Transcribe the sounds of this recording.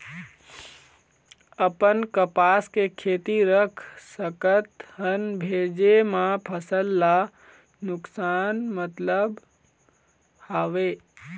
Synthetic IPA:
əpənkəpaːskekʰeːt̪iɾəkʰsəkət̪ɦənbʱeːd͡ʒemãpʰəsəlːa | nʊksaːnmət̪ləb | haːʋe

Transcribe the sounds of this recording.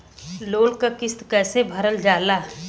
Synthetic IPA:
loːlkakɪst̪kɛːsebʱəɾəld͡ʒaːlaː

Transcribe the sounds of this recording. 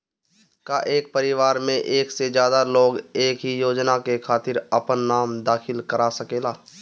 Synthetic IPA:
kaʔeːk̚pəɾɪʋaːɾmẽʔeːksed͡ʒjaːd̪aloːɡeːkɦijoːd͡ʒnakekʰaːt̪ɪɾɐpənːaːmd̪aːxɪlkəɾasəkeːlaː

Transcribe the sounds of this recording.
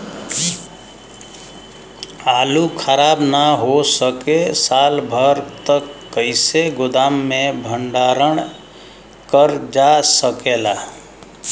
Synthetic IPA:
alukʰəɾabnaɦosəkesalbʱəɾt̪əkːəɪseɡʊd̪amːebʱəɳɖaɾəɳ | kəɾd͡ʒasəkela

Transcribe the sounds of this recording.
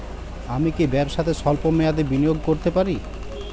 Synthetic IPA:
amikebɛbʃat̪ʰeʃɔlpomead̪ebinijoɡkoɾt̪epaɾi

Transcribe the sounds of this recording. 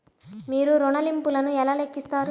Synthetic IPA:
miːɾuɾɔɳɐlimpulɐnuɛlaːle̞kːist̪aːɾu

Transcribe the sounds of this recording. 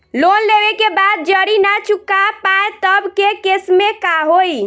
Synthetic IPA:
lonlebekebad̪̚d͡ʒəɾinat͡ʃukːapaet̪əbkekesmekaɦoj

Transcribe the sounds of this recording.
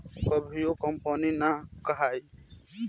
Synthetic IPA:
kʌbʱijokɔmpɔninakəɦaj

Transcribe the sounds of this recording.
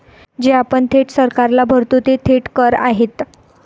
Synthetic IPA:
d͡ʑeapəɳt̪ʰeʈsəɾkaɾlabʱəɾt̪ut̪et̪ʰeʈkəɾa̰ɦet̪

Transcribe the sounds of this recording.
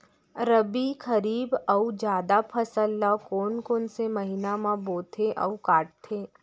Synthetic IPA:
ɾəbikʰɐɾiːbəud͡ʒjaːd̪apʰɐsəlːakoːnkoːnsemɐɦinamãboːt̪ʰeʔɐ̰ukaːʈ̚t̪ʰeː

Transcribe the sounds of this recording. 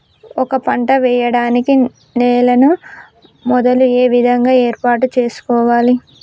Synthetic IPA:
ɔkɐpɐɳʈɐʋɛːjɐɽaːniki | nɛːlɐnu | mɔd̪ɐlueːʋid̪ʱɐŋɡaːeːɾpaːʈut͡ʃeːsu̥kɔːʋaːli

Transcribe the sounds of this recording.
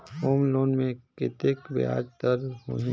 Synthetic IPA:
hoːmloːnmẽkɪt̪ekbḛa̰ːd͡ʒt̪əɾɦo̰ɦĩ

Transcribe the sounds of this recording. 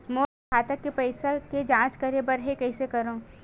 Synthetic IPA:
moː | kaːt̪ɐkːepɐɪsaked͡ʒãːt͡ʃkɐɾebɐɾɦekɐɪsekɐɾõː

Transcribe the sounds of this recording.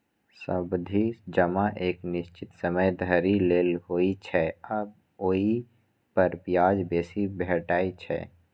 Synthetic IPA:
sə̰bd̪ʱid͡ʒəmaʔeːknɪʃt͡ʃɪt̪səməjd̪ʱəɾileːlɦoːit͡ʃʰɛəb̚ | oːi | pəɾpjaːd͡ʒbeːsibɛʈaːit͡ʃʰɛ̰ː

